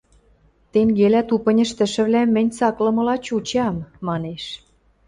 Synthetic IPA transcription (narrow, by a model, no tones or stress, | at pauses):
t̪eŋɡelæt̪upə̆nʲə̆ʃt̪ə̆ʃə̆βlæmːə̆nʲt͡sɑklɤ̆mɤ̆lɑt͡ɕut͡ɕɑmːɑneʃ